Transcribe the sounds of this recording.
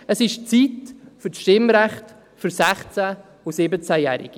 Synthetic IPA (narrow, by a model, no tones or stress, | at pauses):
əsɪʃt͡siːtfysʃtɪmɾɛχt | fyɾsɛχt͡sɛ | ʊsɪbət͡sæjɛ̰ːɾɪ̰ɡ̥i